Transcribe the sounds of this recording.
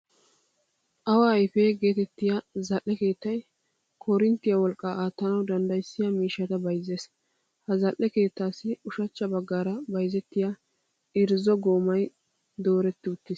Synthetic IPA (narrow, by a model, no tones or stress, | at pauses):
ʔɐwaːjfeːɡe̞ːt̪ɛt̪ːɪjazɐʔːɛke̞ːt̪ːɐj | kʰɔɾɪnt̪ːɪjɐwɔlkʼːaaːt̪ːɐnɐwd̪ɐnd̪ɐjsːɪjɐmiːʃːɐt̪ɐbɐjze̞ːs | hɐzɐʔːɛke̞ːt̪ːaːsːɪʊʃɐt͡ʃːɐbɐɡːaːɾɐbɐjzɛt̪ːɪja | ɪɾzɔɡoːmɐj | d̪o̞ːɾɛt̪ːɪʊt̪ːɪs